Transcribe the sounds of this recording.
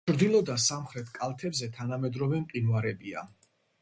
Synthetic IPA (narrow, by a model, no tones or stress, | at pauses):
t͡ʃʰɾd̪ilˠɔd̪asamχɾɛt̪ʰkʼalˠt̪ʰɛbzɛt̪ʰanamɛd̪ɾɔvɛmqʼinwaɾɛbia̰